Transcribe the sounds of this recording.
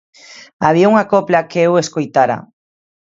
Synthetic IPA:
aβ̞iauŋakoplakeeweskojt̪aɾa̰

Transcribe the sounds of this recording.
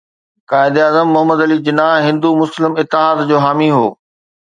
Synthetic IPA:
kaːɪd̪eaːzəmːʊɦəməd̪ɐlid͡ʑɪnaɦɪ̃nd̪umʊslɪmɪt̪ːɪɦaːd̪d͡ʑoːɦaːmiɦoː

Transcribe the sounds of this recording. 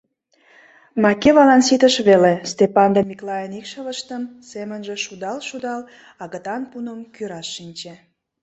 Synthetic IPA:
mɑkeβɑlɑnsit̪əʃβelest̪epɑnd̪emiklɑjənikʃələʃt̪əmsemənʒĕʃud̪ɑlʃud̪ɑl | ɑɣət̪ɑnpunəmkyɾɑʃːinʲt͡ɕe

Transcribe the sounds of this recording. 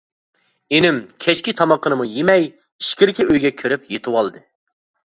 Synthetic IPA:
enɪmkʲʰɛt͡ʃkʲit̪ʰɑmɑqːənɨmujemɛj | iʃkʲiɾkʲiʔøjɡʲɛkʲʰyɾɪpjet̪ʰɨwɑlˠd̪ɨ

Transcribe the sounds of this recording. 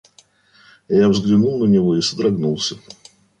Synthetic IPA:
javzɡlʲɪnulˠnənʲɪvoisəd̪ɾɐɡnulˠsʲə

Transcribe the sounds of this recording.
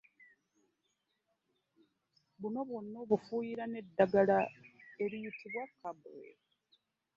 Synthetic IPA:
βuno̞βunːoβufuːjiɾane̞dːaɡalae̞ɾijitʰiβwakːabḛɾ

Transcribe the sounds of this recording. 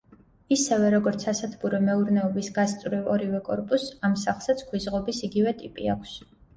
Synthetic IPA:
isɛvɛɾɔɡɔɾt̪sʰasat̪ʰbuɾɔmɛuɾnɛɔbisɡast̪sʼvɾivɔɾivɛkʼɔɾpʼusamsaχlˠsat̪sʰkʰwizʁɔbisiɡivɛt̪ʼipʼḭakʷʰs

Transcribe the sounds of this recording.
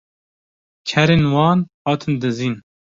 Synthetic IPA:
t͡ʃʰɛɾeːnwɑːnhɑːt̪ʰɨnd̪ɨziːn

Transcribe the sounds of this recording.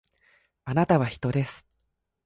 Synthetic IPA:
anat̪aβ̞açi̥t̪o̞d̪e̞sɨ̥

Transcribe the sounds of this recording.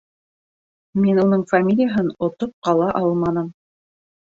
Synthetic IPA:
minunɤɴfamʲilʲɪjaɦɤnŏt̪op̚qɑlˠɑʔɑlˠmɑnɤm

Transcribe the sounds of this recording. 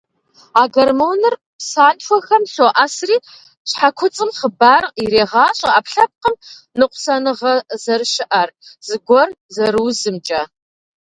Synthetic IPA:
aːɡɐrmownɨr | saːnfʷɔxɐmɬoʔasriː | ɕħakʷʰʊt͡sʼɨmχəbaːriɾeːʁɑːɕʼɐapɬɐp̚qəm | nɨqʷʊsɐnɨʁɐzɐrʃɪʔɐrz̥ɨɡʷɔr | zɐɾɨwzɨmt͡ʃʼɐ

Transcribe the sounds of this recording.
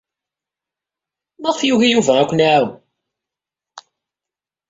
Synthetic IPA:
məʁθjuʝijuvæækʷːʊnʕaw

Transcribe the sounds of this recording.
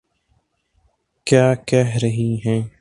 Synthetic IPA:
kjaːkɛɦɾəɦiːɦɛ̃ː

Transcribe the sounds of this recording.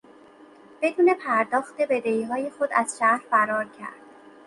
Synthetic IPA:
b̥e̞d̪uːne̞pʰæɾd̪ɒːxt̪e̞be̞d̪eiːɦɒːje̞xod̪æz̥ʃæhɾfæɾɒːɾcʰæ̰ɾd̪̥̚

